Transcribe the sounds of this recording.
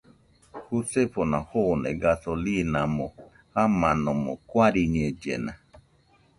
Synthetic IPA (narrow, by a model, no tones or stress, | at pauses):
husefonahonɛ̰ɡasolinamo | hamanɔmo̰kʷaɾiɲed͡ʒḛna